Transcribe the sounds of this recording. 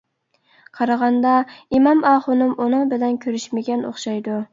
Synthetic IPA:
qʰɑɾɑʁɑnd̪ɑimɑmɑːχʊnɪmʔunɨŋbɪlɛnkʲʰøɾyʃmɪɡʲɛno̰χʃɑjd̪ʊ

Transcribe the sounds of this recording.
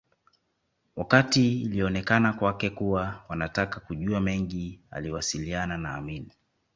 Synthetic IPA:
wakatiːliɔnɛkanakwakɛkuwawanatakakuʄuamɛŋɡia̰liwasiliananaːmini

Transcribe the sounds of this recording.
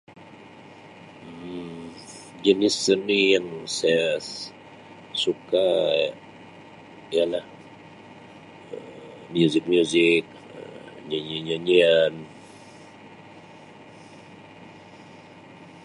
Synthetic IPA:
d͡ʒənisənijaŋsaja | suka | ijalah | ə | miuzɪk̚mjuzik̚ | ə̰ɲaɲiɲaɲian

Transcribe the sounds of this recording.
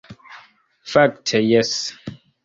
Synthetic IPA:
fak̚tʰɛjɛs

